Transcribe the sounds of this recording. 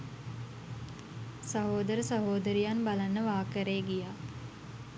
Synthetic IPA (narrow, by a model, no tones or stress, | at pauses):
sɐɦoːd̪əɾəsəɦoːd̪əɾijanbalanːəʋaːkəɾeɡijaː